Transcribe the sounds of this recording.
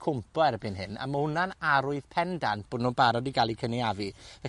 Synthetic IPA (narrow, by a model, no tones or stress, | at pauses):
kʰʊmpʰɔɛrbɨnɦɨna̰məhʊnanaɾʊɨð̥pʰɛndanb̥oːdnubaɾɔdiɡalˠikʰəniavivɛ